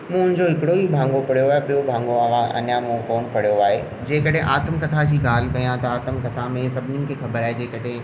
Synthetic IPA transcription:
mũʊ̃nɪ̃d͡ʑoɪkɪɽoibʱãːŋɡopɐɽ̤ijoaːɦebijobʱãːŋɡoɐʋãʔɐ̰njamũkɔːnpɐɽijoaːɦeː | d͡ʑeːkɐɽẽʔaːt̪əmkɐt̪ʰad͡ʑiːɡaːl̤kɐjãt̪ɐaːt̪əmkɐt̪ʰamẽsɐbʱnɪ̃ŋkexɐbəɾaːed͡ʑeːkɐɽẽ

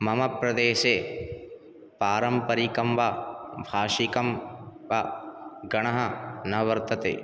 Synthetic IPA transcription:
mɐmɐpɾɐd̪eːʃe | paːɾɐmpɐɾikɐmʋabʱaːʃikɐmʋaɡɐɳ̃ɐɦɐnɐʋɐɾt̪ɐt̪ḛː

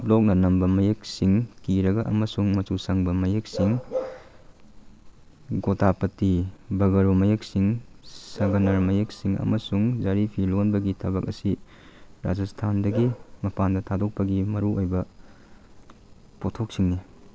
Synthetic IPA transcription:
p̚lok̚nɐnɐmbɐmɐjek̚siŋkiɾɐɡɐʔɐmɐsuŋmɐtusɐŋbɐmɐjek̚siŋ | ɡotapɐtibɐɡɐɾomɐjek̚siŋsɐɡɐnɐɾmɐjek̚siŋɐ̰mɐsuŋd͡ʒaɾipʰilonbɐɡitʰɐbɐk̚ɐsi | ɾa̰d͡ʒɐstʰandɐɡimɐpandɐtʰadok̚pɐɡimɐɾuojbɐ | potʰok̚siŋni

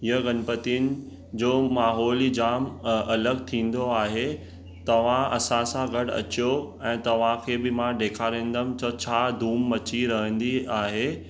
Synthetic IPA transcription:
ɪjəɡɐnpət̪iʊnɪ̆ | d͡ʑoːmaːɦɔːlid͡ʑaːmɐləɡt̪ʰĩːn̆d̪oaːɦe | t̪ɐʋ̤ãɐ̰sãsãɡɐɽɐ̰t͡ɕijoɛ̃ːt̪ɐʋ̤ãkʰeːbɪmãɖeːkʰaɾẽːn̆d̪əmtɐt͡ɕʰaːd̪ʱuːmːɐt͡ɕiɾɐɦə̃nd̪iaːɦe

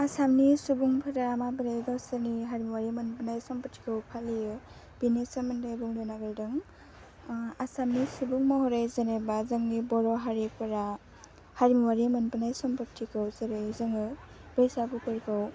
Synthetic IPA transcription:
asamnisubuŋpʰɯɾaamabɯɾejɡɔsaniɦaɾmiwaɾiamɯnpɯnajsɔmpɔtʰːi̥kʰɯwpʰalijɯ | b̥inesamɯndejbuŋlɔnaɡaɾjdɯŋ | asamnisubuŋmɔhɔɾejzənebazaŋnibɔɾɔɦaɾipɯɾa | haɾmiwaɾiamɯnpɯnajsɔmpɔtʰːikʰɯwzeɾejzɯŋɯ | b̥ɯjsabukɯɾkʰɯw

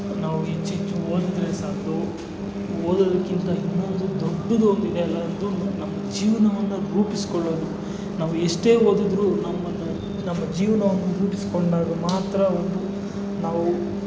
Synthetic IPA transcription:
naːʋuit͡ʃːit͡ʃːuond̪lɛsaːd̪o | oːd̪od̪ɐkːint̪ɐinːo̞nd̪ud̪oɖːɐd̪ond̪id̪ɛɐlːɐɐnd̪unːunɐmːɐd͡ʒiːʋɐnɐʋɐnːɐɡuːpisi̥koɭːoːd̪u | naːʋuɛʂʈe̞ːɦoːd̪id̪ɾunɐmːɐnu | nɐmːɐd͡ʒiːʋɐnɐʋɐnːɐɡuːpisi̥koɳɖaːɡɐmaːt̪ɾɐond̪u | naːʋu

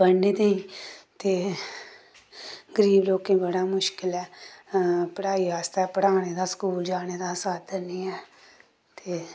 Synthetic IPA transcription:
bənːeːt̪eĩːt̪eː | ɡəɾiːbloːkẽːbəɽaːmʊʃkɪlɛː | pəɽaːiːaːst̪aːpəɽaːneːd̪aːskuːld͡ʒaːneːd̪aːsaːt̪d̪əniːɛː | t̪eː

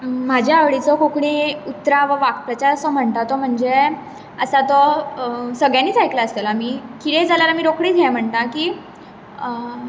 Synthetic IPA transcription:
m̤ad͡ʑʱjaːʋɭit͡sɔkokɽiut̪ɾaʋəʋakpɾət͡ɕaɾəsɔm̤əɳt̪at̪ɔm̤əɳd͡ze | əsat̪ɔ | səɡɭjãniːt͡sajklaəst̪elamiːkit̪ed͡zʱalaɾamiːɾokɽiːtjɛ̃m̤əɳt̪akiː

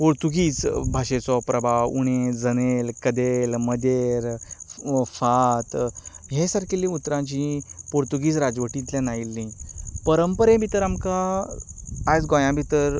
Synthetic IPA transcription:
poɾt̪uɡiːt͡sbʱaɕet͡sɔpɾəbʱaṵɽ̃ed͡zənelkəd̪elməd̪eɾ | fat̪ɦẽsaɾkilːĩut̪ːɾãt͡ɕipoɾt̪uɡiːt͡sɾad͡zʋəʈit̪ljãnailːĩpəɾəmpəɾẽbʱit̪əɾamkaː | t͡sɡõjãbʱit̪əɾ

